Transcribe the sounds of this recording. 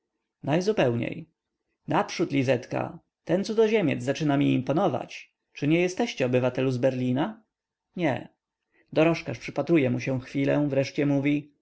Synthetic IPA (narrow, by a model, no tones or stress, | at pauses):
najzupɛwɲḛj | napʂut̪lʲizɛt̪ka̰ | t̪ɛnt̪sud̪ɔʑemʲɛ̰d̪zzat͡ʂɘnamʲiːmpɔnɔva̰t͡ɕ | t͡ʂɘɲɛjɛst̪ɛɕt͡ɕɛɔbɘvat̪ɛluzbɛɾlʲina | ɲɛ̰ | d̪ɔɾɔʂkaʂpʂɘpat̪ɾujɛmuɕɛw̃xfʲilɛ̰̃vɾɛʂt͡ɕɛmuvʲi